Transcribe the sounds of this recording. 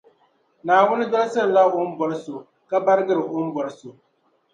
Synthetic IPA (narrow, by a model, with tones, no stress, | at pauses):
naː˨wʊ˦nɪ˦dɔ˦lsa˦ɾla˦ʊ˦m̩˦bɔ˨ɾɨ˦so˨ | ka˦ba˦ɾɨ˦ɡɨ˦ɾɨ˨ʔʊ˦m̩˦bɔ˨ɾɨ˦so˨